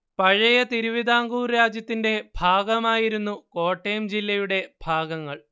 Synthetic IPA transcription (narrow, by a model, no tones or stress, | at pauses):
pɐɻɐjɐt̪iɾuʋid̪ʱaːŋɡuːrɾaːd͡ʑjɐt̪ːinde̞bʱaːɡɐmaːjiɾunːuko̞ːʈːeːmd͡ʑilːɐjuɽe̞b̥ʱaːɡɐŋːɐɭ